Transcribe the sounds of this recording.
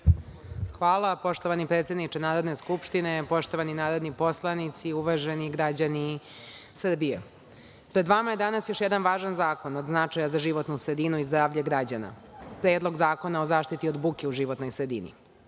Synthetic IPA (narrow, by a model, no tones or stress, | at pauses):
xʋaːlˠapo̞ʂt̪o̞ʋanipɾet̪sʲjed̪nit͡ʃenaːɾo̞d̪ne̞skupʃt̪inepo̞ʃt̪o̞ʋaninaːɾo̞d̪nipo̞slˠanit̪siuʋaʒeniɡɾad͡ʑani | sr̩bije | pɾed̪ʋamaje̞d̪anasjo̞ʃjed̪anʋaːʒanzaːko̞nod̪znat͡ʂajazaʒiʋo̞t̪nusɾe̞d̪inuizd̪ɾaːʋʎeɡɾad͡ʑana̰pɾe̞ːd̪lo̞ɡzaːko̞naozaːʃt̪it̪iod̪bukeuʒiʋo̞t̪nojsɾe̞d̪ḭnḭ